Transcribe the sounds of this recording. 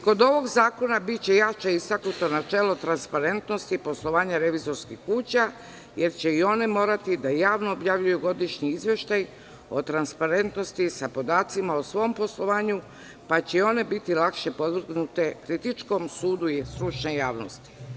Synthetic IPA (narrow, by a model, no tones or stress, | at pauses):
ko̞d̪o̞ʋo̞ɡzaːko̞nabit̪̚t͡ɕe̞jat͡ʃeist̪aknut̪o̞nat͡ʃelˠo̞t̪ɾanspaɾe̞nt̪no̞st̪ipo̞slˠo̞ʋaːɲaɾe̞ʋizo̞ɾskixkuːt͡ɕa | je̞ɾt͡ɕe̞io̞ne̞mo̞ːɾat̪id̪ajaːʋnoːbjaʋʎujuɡo̞d̪iʃɲiizʋje̞ʃt̪aj | o̞t̪ɾanspaɾe̞nt̪no̞st̪isapo̞d̪aːt̪simaosʋo̞mpo̞slˠo̞ʋaːɲu | pat͡ɕeo̞ne̞bit̪ilˠakʃe̞po̞d̪ʋɾ̩ɡnut̪e̞kɾit̪it͡ʃko̞msuːd̪uisɾut͡ʃnejaːʋno̞st̪i̥